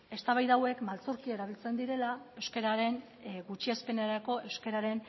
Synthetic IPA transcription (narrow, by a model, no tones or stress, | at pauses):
e̞st̪aβajðawe̞kmalt͡suɾkie̞ɾaβilt͡se̞nd̪iɾe̞lae̞wske̞ɾaɾe̞n | ɡut͡ʃiaspe̞neɾako̞ʔe̞wske̞ɾaɾe̞n